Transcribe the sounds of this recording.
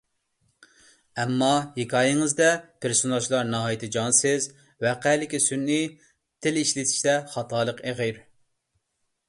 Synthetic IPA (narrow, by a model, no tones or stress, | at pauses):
ɛmːɑhekʰɑːjɪŋɨzd̪ɛpʰɪɾsunɑt͡ʃʰlˠɑɾnɑɦɑjit̪ʰɨd͡ʒɑnsɪz | wɛqælɪkʲisynːi | t̪ʰɪliʃlɪt̪ʰɪ̥ʃt̪ɛχɑt̪ʰɑːlˠəqeʁiɾ